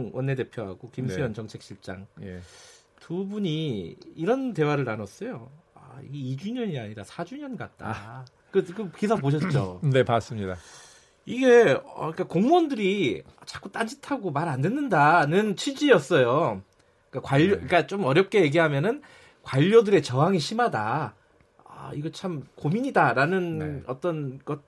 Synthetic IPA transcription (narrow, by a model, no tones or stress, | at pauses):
ŋwʔʌnːe̞de̞pʰjoɦa̰ɡokimsʰejʌnt͡ɕʌŋt͡ɕʰe̞k̚ɕ͈ʰiɭt͡ɕ͈a̰ŋje | tubuɲiːɾʌnte̞waɾɯɭanʌs͈ʌjoa̰ḭɡeid͡ʑuɲʌɲiaɲiɾasʰad͡ʑuɲʌnɡat̚t͈a̰ | kɯkɯkisʰapoɕ̬ʰʌt̚t͡ɕ͈o̰ne̞pas͈ɯmɲida | iɡe̞ʌ̰ik͈akoŋmʌndɯɾiʌt͡ɕḁk͈ut͈and͡ʑitʰaɡomaɾandenːɯndanɯnt͡ɕʰid͡ʑiʌs͈ʌjo | ik͈akwaʎːoik͈at͡ɕ͈omʌɾjʌp̚k͈e̞jeɡiɦamjʌnɯn | kwaʎːodɯɾe̞t͡ɕʌɦaŋiɕʰimada | a̰iɡʌt͡ɕʰamkomiɲidaɾanɯnʌ̰t͈ʌnɡʌt̚